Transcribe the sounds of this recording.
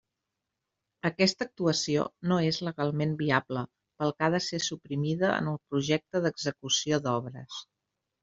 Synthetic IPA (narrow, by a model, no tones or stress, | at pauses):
əkɛst̪ək̚t̪uəsio̰noezləɣalˠmembiablə | pəlˠkaðəsesupɾimiðəə̰nəlˠpɾuʒɛk̚t̪əðəɡzəkusioðɔβɾə̰s